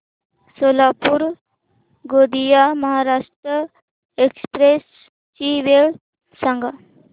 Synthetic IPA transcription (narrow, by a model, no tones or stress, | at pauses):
solapuɾ | ɡod̪ijaməɦaɾaʂʈɾə | ekspɾes | t͡ʃiʋeɭ | səŋɡʱa